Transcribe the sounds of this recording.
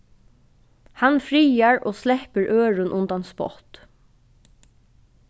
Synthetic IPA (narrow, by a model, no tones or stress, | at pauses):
hanfɹiːaɹo̰ːslɛhpəɹʔøːɹʊnʔʊnt̪anspɔ̰t̪